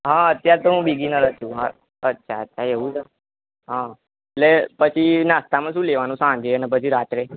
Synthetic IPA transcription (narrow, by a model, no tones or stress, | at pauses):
ɦãət̪jaɾt̪oɦũbiɡinəɾət͡ʃʰũɦã | ətːʃʰaət̪ːjaɾeʋũd͡ʒa | ɦã | elepət͡ʃʰinast̪amãʃũleʋanũsãnd͡ʒʱeənepət͡ʃʰiɾat̪ɾe